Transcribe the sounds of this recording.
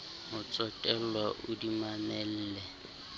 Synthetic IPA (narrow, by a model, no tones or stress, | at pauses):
mʊt͡sʼɔtʼɛlwaʔʊdimamɛl̩ːlɛ